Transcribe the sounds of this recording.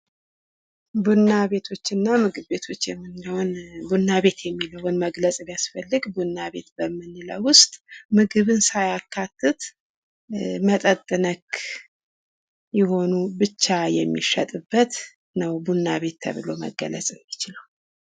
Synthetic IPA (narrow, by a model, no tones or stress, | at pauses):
bunːaβe̞t̪ʰo̞t͡ʃːɨnːamɨɡɨβbe̞t̪ʰot͡ʃːjɛmːɨnləwnbunːaβe̞t̪jɛmːiləwʊnməɡləsʼbijasfəlːɨɡbunːaβe̞t̪bəmːɨnːɨlə̰wʊst̪ʼmɨɡɨβɨnsajakʰːat̪ʰːɨt̪ | mət̪ʼət̪ʼːɨnək | jɪho̞nubɨt͡ʃːajɛmːiʃət̪ʼɨbːət̪ | nəwbunːaβe̞t̪ːʰə̰βɨlo̞mə̰ɡːə̰lə̰sʼɪmːit͡ʃɪləw